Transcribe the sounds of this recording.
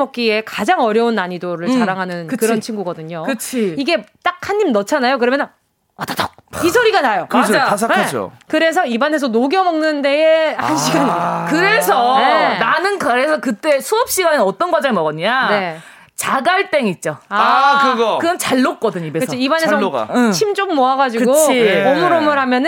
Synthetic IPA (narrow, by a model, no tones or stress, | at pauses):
ʌk̚k͈ie̞kad͡ʑaŋʌɾjʌunːaɲidoɾɯɭt͡ɕaɾaŋɦanɯnkɯkɯɾʌnt͡ɕʰinɡuɡʌdɯɲokɯt͡ɕʰiiɡe̞t͈ak̚ʰhaɲːimnʌt͡ɕʰanajokɯɾʌmjʌnn | ʌtatʌk̚isʰoɾiɡanajokɯs̬ʰankʰd͡ʑo̰kɯɾe̞s̬ʰʌibane̞sʰʌnoɡjʌmʌŋnɯndeehanɕʰiɡɯnkɯɾe̞sʰʌenanɯnkaɾesʰʌkɯt͈e̞sʰuʌp̚ɕ͈iɡanɯnʌt͈ʌnɡwad͡ʑʌŋimʌɡʌɲane | t͡ɕaɡaɭt͈e̞ŋit̚t͡ɕ͈oaɯɡʌkɯɡʌnt͡ɕaɭːok̚k͈ʌdɯɲibekɯst͡ɕʰiibanesʰʌɡ̰t͡ɕʰimd͡ʑommoaɡad͡ʑiɯɡoʌmɯɾʌmɯɭɦamjʌnɯn